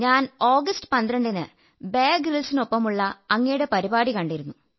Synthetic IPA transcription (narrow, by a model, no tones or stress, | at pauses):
ɲaːno̞ːɡɐsʈɨ̥pɐnd̪rɐɳɖinɨ | beːɡrilsino̞pːɐmuɭːɐɐŋːejuɽe̞pɐɾibaːɽikɐɳɖiɾunːu